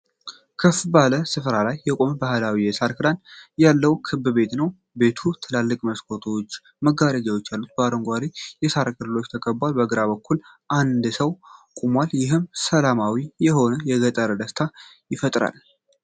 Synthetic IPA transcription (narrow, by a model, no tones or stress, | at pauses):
kʰɨfbahləsɨfɾalajːɛkʼo̞mbahɨlawijɛsaɾkʰɨd̪anjalːəwkʰɨbɨbe̞t̪nəw | be̞t̪ʰut̪ʰɨlalːɨkʼməskʰo̞t̪ʰo̞t͡ʃː | məɡaɾəd͡ʒawot͡ʃːjalːut̪̚bəaɾoŋɡʷaɾijɛsaɾkʰʼɨlɨlo̞t͡ʃːt̪ʰəkʼəbːalbəɡɨɾaβəkʰːul | ʔand̪səwkʼumwaljɪɦɨmsəlamawijɛɦo̞nəjɛɡət̪ʼəɾəd̪əst̪ʰajɪfət̪ʼɾa̰l